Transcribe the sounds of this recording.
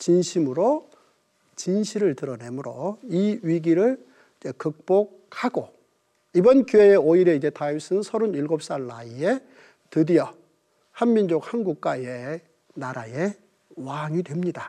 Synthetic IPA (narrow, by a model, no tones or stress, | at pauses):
t͡ɕinɕʰimɯɾo | t͡ɕinɕʰiɾɯɭtɯɾʌne̞mɯɾoiɥiɡiɾɯɭ | id͡ʑekɯk̚p͈ok̚haɡo | ibʌnkjueeoiɾe̞id͡ʑe̞tʰais͈ʰɯnɯnsʰʌɾuniɭɡop̚s͈aɭːa̰ie̞ | tɯdijʌ | hanmind͡ʑok̚hanɡuk̚k͈waje̞ | naɾaje̞ | waŋidwemɲida